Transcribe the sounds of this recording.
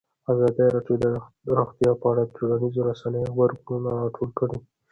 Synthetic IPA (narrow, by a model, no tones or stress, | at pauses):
azɑd̪iɾɑɖjod̪ə | ɾoxt̪jɑpəaɽaʈʰuɽanizoɾasanəjowaɾɡununaɾɑʈʰolkəɽi